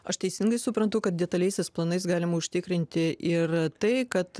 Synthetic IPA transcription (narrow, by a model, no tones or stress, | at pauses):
ɐʃt̪ʲɛɪsʲɪŋɡɐɪsʊpɾɐnt̪ʊkɐt̪̚d̪ʲɛt̪ɐlʲɛɪsʲɛsplˠɐnɐɪsɡɑːlʲɪmɐʊʃʲt̪ʲɪkɾʲɪnʲt̪ʲɪʔɪrt̪ɐɪkɐt̪